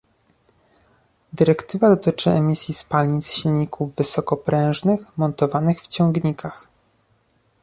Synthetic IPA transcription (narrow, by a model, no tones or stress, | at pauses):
d̪ɘɾɛkt̪ɘvad̪ɔt̪ɘt͡ʂɘɛmʲisʲjispalʲɲit̪sɕilʲɲikʰuvːɘsɔkɔpɾɛ̃w̃ʐnɘxmɔnt̪ɔvanɘxft͡ɕɔŋɡɲikʰax